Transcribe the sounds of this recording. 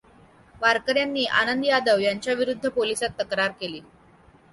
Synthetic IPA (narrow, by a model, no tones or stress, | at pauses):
ʋaɾkəɾjanːiːʔa̰nənd̪ijad̪əʋjaɲt͡ɕjaʋiɾud̪ʱːəpolisat̪ːəkɾaɾkeliː